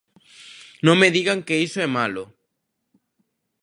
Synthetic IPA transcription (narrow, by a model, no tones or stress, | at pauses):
nõŋmeðiɣaŋkeisoɛmalʊ